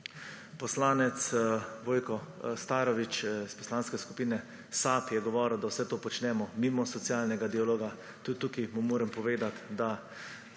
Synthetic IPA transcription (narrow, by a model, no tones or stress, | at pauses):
pɔslaːnɛt̪sʋoːjkɔst̪aːɾɔʋit͡ʃispɔ̥slaːnskɛskupiːnɛ | saːpjɛɡɔʋɔːɾəwd̪awsɛt̪oːpɔt͡ʃnɛmɔmimɔsɔt̪sjaːlnɛɡad̪ialoːɡa | t̪ut̪ːukimumoːɾɛmpɔʋeːd̪at̪d̪a